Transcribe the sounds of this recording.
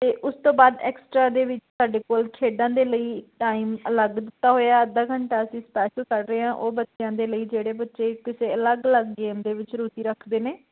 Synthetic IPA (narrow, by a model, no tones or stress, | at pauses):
t̪eːʔʊst̪õːbaːd̪ɛ̰ːksʈɾaːd̪eːʋɪt͡ʃsaːɖeːkoːlkʰeːɖãːd̪eːləiːʈaːiːmələɡd̪ɪt̪ːaːɦoːaːəd̪ːaːkəɳʈaːəsĩːsə̥pɛːʃəlkəɾɾəːɦãːʔoːbətːʃjãːd̪eːləiːd͡ʒeːɽeːbətːʃeːkɪseːələɡələɡːeːmd̪eːʋɪt͡ʃɾuːt̪iːɾəkʰd̪eːneː